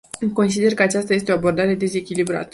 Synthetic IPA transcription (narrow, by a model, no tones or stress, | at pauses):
ko̞ns̬id̪e̞rkəat͡ʃast̪aje̞st̪e̞o̞abo̞rd̪aɾe̞d̪e̞ze̞kʲilibɾa̰t̪ə̥